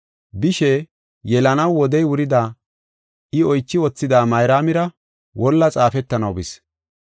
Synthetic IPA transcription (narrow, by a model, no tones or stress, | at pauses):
bɪʃɛ | jɛlɐnɐwːɔd̪ɛjwʊɾɪd̪aː | ɪɔjt͡ʃːɪwɔt͡sːɪd̪aːmɐjɾaːmɪɾɐ | wʔɔlːɐt͡sʼaːfɛt̪ːɐnɐwbɪs